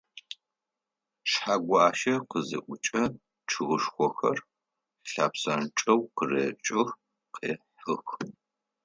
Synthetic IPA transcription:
ʃħaːɡʷɑːʃɐqəzɨ̰ʔʷʊt͡ʃʼɐ | ʈ͡ʂʰɨʁəʃxʷɔxɐr | ɬaːpsɐnʈ͡ʂʼɐwqərḛːt͡ʃʼɪx | qeːħɨx

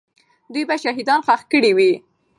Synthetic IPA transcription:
d̪ujbaʃaɦid̪ɑnxaxkəɽiwi

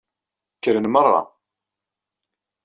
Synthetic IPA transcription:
kːəɾənmərˤːɑ̰

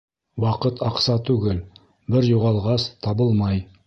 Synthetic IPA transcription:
wɑqət̪ʰɑqsɑt̪ʰʉɡʲɪl | bɪɾjuʁɑlˠʁɑst̪ʰɑbəlˠmɑj

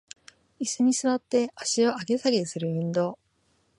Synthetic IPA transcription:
isɨɲ̟isɨβat̪ːe̞aɕio̞aɡe̞saɡesɨɾɯ̟ɯ̟̃nd̪o̞ː

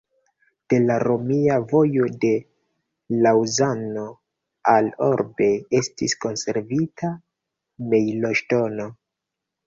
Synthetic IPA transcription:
d̥e̞laɾo̞miavo̞jo̞de̞ | lawzano̞ | alo̞ɾbe̞e̞stisko̞nse̞ɾvitʰa | me̞jlo̞ʃto̞no̞

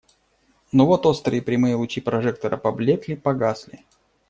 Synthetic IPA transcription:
novot̪ost̪ɾɨjɪpɾʲɪmɨjəlˠʊt͡ɕʲipɾɐʐɛk̚t̪əɾəpɐblʲet̪lʲɪpɐɡaslʲɪ

